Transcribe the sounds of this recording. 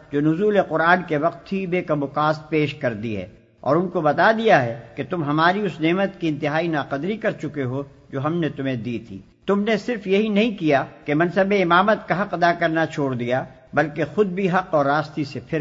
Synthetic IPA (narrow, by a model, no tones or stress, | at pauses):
d͡ʒoːnʊzuːleqʊɾaːnkeʋɐq̚t̪ʰːibeːkɐmʊqaːs̚peːʃkɐɾd̪iɦɛ̰ː | ɔ̰ːɾʊnkobɐt̪ad̪ijaɦɛket̪ʊmɦɐmaːɾiʊsneːmət̪kiɪ̃nt̪ɪɦaːinaːqɐd̪ɾikɐɾt͡ʃʊkeɦo | d͡ʒoːɦɐmnet̪ʊm̤ẽd̪iːt̪ʰḭː | t̪ʊmnesɪɾfjɐɦinɐɦĩkijakemɐnsəbeɪmaːmət̪kaɦɐqɐd̪akɐɾnat͡ʃʰoːɽd̪ija | bɐlkexʊd̪̚bʱiɦɐqɔːɾːaːst̪isepʰɪɾ